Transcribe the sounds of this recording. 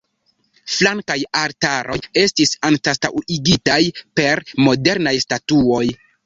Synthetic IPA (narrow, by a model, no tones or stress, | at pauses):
flaŋkajaɾtaɾʔo̞̰je̞stisantastawiɡitajpe̞ɾmo̞de̞ɾnajstatuo̞j